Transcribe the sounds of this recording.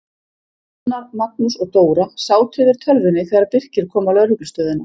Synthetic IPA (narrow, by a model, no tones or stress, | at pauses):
naɾmat̪̚nʏsɔɣt̪oːwɾasaːwt̪ʰʏːðɪɾ̥t̪ʰœlvɪnːɪθɛːɣaɾaɾpɪr̥cɪɾ̥kʰɔːmalœɣɾhʏklʏst̪œːðɪnːa